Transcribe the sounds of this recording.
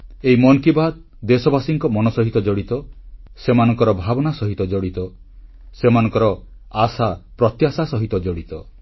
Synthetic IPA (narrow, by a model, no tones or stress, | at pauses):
eimɔŋkibad̪̚ | d̪esɔbasiŋkɔmɔnɔsɔɦit̪ɔd͡ʒɔɽit̪ɔ | semanɔŋkɔɾɔbʱabɔnasɔɦit̪ɔd͡ʒɔɽit̪ɔ | semanɔ̃ŋkɔɾɔ | asapɾɔt̪jasasɔɦit̪ɔd͡ʒɔɽit̪ɔ